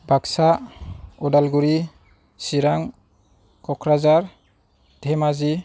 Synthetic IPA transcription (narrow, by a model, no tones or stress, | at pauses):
bʱaksa | ɔdalɡuɾi | siɾaŋ | kɔkʰɾazaɾ | d̥ʱɛmazi